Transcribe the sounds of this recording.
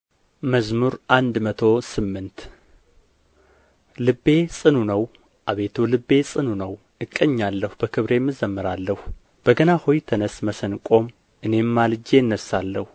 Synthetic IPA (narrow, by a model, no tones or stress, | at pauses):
məzmuɾʔand̪mət̪ʰo̞sɨmːɨnt̪ | lɨbːe̞sʼɨnunəw | ʔaβe̞t̪ʰulɨbːe̞sʼɨnunəw | ɨkʼːəɲːalːəhubəkʰɨβɾe̞mːɨzəmːɨɾalːəhu | b̥əɡənahojt̪ʰənəsməsənkʼo̞m | ʔɨne̞mːalɨd͡ʒe̞ɨnːəsalːəhu